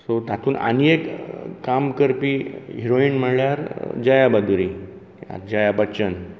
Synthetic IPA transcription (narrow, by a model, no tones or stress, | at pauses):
sot̪at̪ʰuːna̰niekkamkəɾpiːɦiɾoinm̤əɽɭjaɾd͡ʑajabəd̪uɾiː | a̰d͡ʑajabət͡ɕən